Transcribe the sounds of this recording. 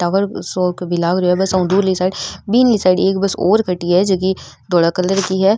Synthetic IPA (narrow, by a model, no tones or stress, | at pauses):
ʈaːʋəɾsoːkbɪlaːɡɾoɦɛbɐsɐ̃ʊ̃d̪uːɾlisaːɪɖbiːnlisaːɪɖeːkbɐsɔːɾkʰɐʈːiɦɛd͡ʒɐki | d̪oːɽakələɾkiɦɛː